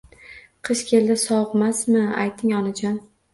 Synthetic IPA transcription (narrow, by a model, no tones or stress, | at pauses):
qʰɨʃkʲʰe̞ld̪ɪsɒwqmasmɪa̰jt̪ʰɪŋɒnad͡ʒɒn